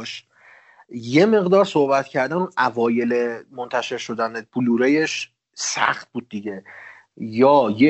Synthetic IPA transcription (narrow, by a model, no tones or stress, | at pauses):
ʃ | je̞me̞ɣd̪ɒːɾsohbæt̪cʰæɾd̪ænunʔævɒːje̞lemont̪ʰæʃe̞ɾʃo̞d̪ænebuluːɾejeʃ | sæ̰xt̪̚buːd̪̚ːiɟe | jɒːje